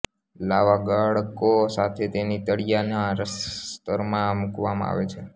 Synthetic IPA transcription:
laʋaɡəɭkosat̪ʰet̪enit̪əɽijanaɾəst̪əɾmãmukʋamãa̰ʋet͡ʃʰe

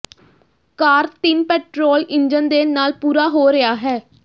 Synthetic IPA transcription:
kaːɾt̪ɪnpɛːʈɾoːlɪnd͡ʒənd̪eːnaːlpuːɾaːɦoːɾɪaːɦɛː

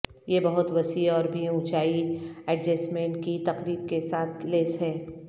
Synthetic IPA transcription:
jebɐɦʊt̪ʋɐsiɔːɾbʱiũt͡ʃaːiɛɖd͡ʒɛːsmẽːɳʈ̚kit̪ɐqɾiːb̚kesaːt̪ʰleːsɦɛː

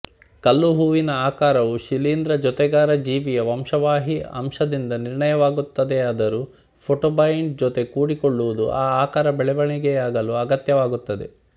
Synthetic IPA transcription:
kɐlːuɦuːʋinɐaːkaːɾɐʋuʃiliːnd̪ɾɐd͡ʒɔt̪ɛɡaːɾɐd͡ʒiːʋijɐʋɐmʂɐʋaːɦiɐ̰mʂɐd̪ind̪ɐniɾɳɐjɐʋaːɡut̪ːɐd̪eɐd̪ɐɾu | pʰoʈoːbɐjiɳɖ̚d͡ʒɔt̪e̞kuːɽikoɭːuʋud̪ṵʔaːaːkaːɾɐbɛɭɛʋɐɳiɡeaːɡɐluɐɡɐt̪jɐʋaːɡut̪ːɐd̪e̞̰

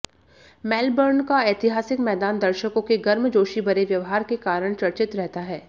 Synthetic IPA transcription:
mɛːlbəɾnkaeːt̪ɪɦaːsɪkmɛːd̪aːnd̪ɐɾʃəkõkeɡɐɾmd͡ʒoːʃibɐɾeʋjɐʋɦaːɾkekaːɾəɽ̃t͡ʃɐɽt͡ʃɪt̪ɾɛɦt̪aɦɛː

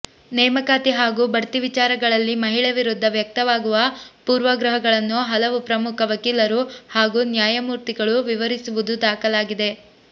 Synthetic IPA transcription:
nɛːmɐkaːt̪iɦaːɡuːbɐɽt̪iʋit͡ʃaːɾɐɡɐɭɐlːimɐɦiɭeʋiɾud̪ʱːɐʋjɐk̚t̪ɐʋaːɡuʋɐpuːɾʋɐɡɾɐɦɐɡɐɭɐnːuɦɐlɐʋupɾɐmukʰɐʋɐkiːlɐɾuhaːɡuːnjaːjɐmuːɾt̪iɡɐɭuʋiʋɐɾisuʋud̪ud̪aːkɐlaːɡid̪e̞

